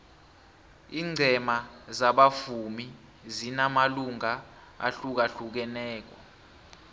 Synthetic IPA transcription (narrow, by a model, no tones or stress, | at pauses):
iːŋ͡ǀʱɛmazaɓafumi | zinamaluŋa | a̰ɬuk̬aɬuk̬ɛnɛːk̬ɔ